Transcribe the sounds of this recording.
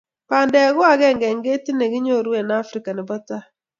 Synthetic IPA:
pa˨ndɛ˨˦ɡʊ˦a˨ɡɛ˦˨ŋɡɛ˨ŋɡe˦ti˦ne˨ɡɪ˦ɲo˦˨ɾwe˨na˦fɾi˦ka˨nɛ˨bɔ˦ta˦

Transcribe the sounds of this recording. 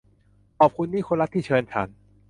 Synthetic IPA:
ʔɔː˨˩p̚kʰu˧nːiː˥˩kʰo˧nɾa˦˥t̪ʰiː˥˩t͡ɕʰɤː˧nt͡ɕʰa̰˦n

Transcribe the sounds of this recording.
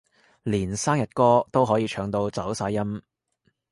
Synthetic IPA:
liː˨˩nsaː˥ŋjɐ˨t̚kɔː˥t̪o˥wɦɔː˨˥jiː˧t͡ʃʰœː˨˧ŋt̪o˧wt͡sɐ˨˥wsaː˧jːɐ˥m

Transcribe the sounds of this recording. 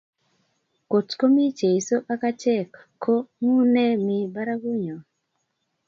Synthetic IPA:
ko˨tko˦mi˦t͡ʃe˨i˨so˦ʔa˦ka˦t͡ʃɛ˦˨kʰː | o˦ŋu˦nɛ˦mi˨ba˦ɾa˦ɡu˦ɲo˨

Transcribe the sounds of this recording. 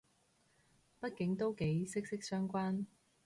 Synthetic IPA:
pɐ˥t̚kɪ˨˥ŋt̪o˥wke˨˥jsɪ˥k̚sɪ˥k̚sœː˥ŋkʷaː˥n

